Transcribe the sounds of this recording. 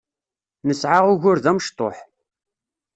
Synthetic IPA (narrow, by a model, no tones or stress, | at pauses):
nəsʕaʁʊʝʊɾðæməʃt̪ˤo̰ħ